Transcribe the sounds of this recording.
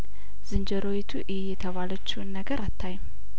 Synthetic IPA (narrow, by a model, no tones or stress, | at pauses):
z̥ɨnd͡ʒəɾo̞jit̪ʰuʔɪhejɛt̪ʰəβalət͡ʃːiwnːəɡəɾʔat̪ʰːaj